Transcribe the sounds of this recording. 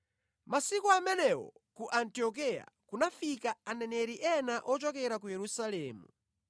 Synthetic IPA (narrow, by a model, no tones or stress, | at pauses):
masikɔamɛnɛwɔ̰kuʔantiɔk̬ɛja̰kunafikaanɛnɛɾiʔɛnaʔɔt͡ʃɔkɛɾak̬ujɛɾusalɛːmṵ